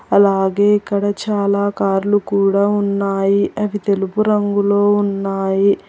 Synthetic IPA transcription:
ɐlaːɡe̞ːikːɐɽɐt͡ʃaːlaːkaːɾlukuːɽaːunːaːjiʔɐʋit̪e̞lupuɾɐŋɡulo̞ːunːaːji

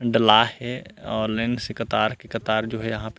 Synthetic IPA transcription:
ɖɐlaːɛɔːɾlɛ̃ːɳɖsekɐt̪aːɾkekɐt̪aːɾd͡ʒoːɦɛjɐɦãp

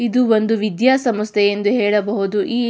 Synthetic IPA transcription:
id̪uo̞nd̪uʋid̪jaːsɐmɐst̪ʰɛje̞nd̪uɦɛːɭɐbɐɦud̪uʔiː

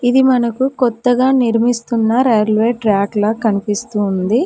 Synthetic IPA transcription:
id̪imɐnɐkukɔt̪ːɐɡaːniɾmist̪unːɐɾejlʋeːʈɾaːklɐkɐnipist̪und̪i

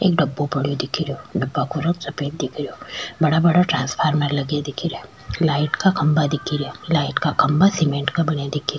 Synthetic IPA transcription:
ḛːk̚ɖɐbːopɐɽ̤ijod̪ɪkʰiɾjoːɖɐbːakoɾoksɐpeːt̪̚d̪ɪkʰɾjoːbɐɽabɐɽaʈɾãːnspʰaːɾməɾlɐɡed̪ɪkʰiɾɛ | laːɪʈkakɐ̃mbad̪ɪkʰiɾolaːɪʈkakɐmbasɪmẽːɳʈkabɐnad̪ɪkʰiɾ

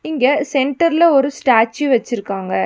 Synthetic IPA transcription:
ɪŋɡɐsɛɳʈɐɾɪlɐɔɾɯsʈaːt͡ʃːɯʋɐt͡ʃːɪɾɯkːaːŋɡɐ

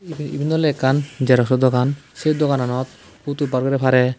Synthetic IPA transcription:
ibʱind̪ɔlɛkːand͡ʒɛɾɔksɔd̪ɔkansed̪ɔkananɔt̪̚ | ut̪ubaɾɡɔɾɛpʰaɾɛ

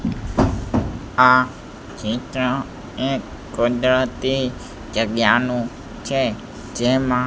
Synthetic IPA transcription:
a | t͡ʃĩt̪ɾə̃ | ekː | od͡ʒɾət̪i | d͡ʒəɡjanũ | t͡ʃʰe | d͡ʒemã

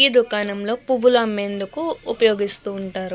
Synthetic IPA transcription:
iːd̪ukaːnɐmlo̞ːpuʋulɐmːe̞ːnd̪ukuːpɐjo̞ːɡist̪uːɳʈaːɾu

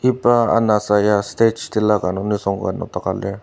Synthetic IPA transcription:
ipaa̰nasajast̪et͡ʃt̪ilakanonisɔŋka̰no̰t̪akalɛ

